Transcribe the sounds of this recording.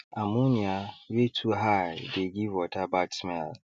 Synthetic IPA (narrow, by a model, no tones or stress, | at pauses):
amuniawetʰuɦajdeɡivɔtabatsmɛl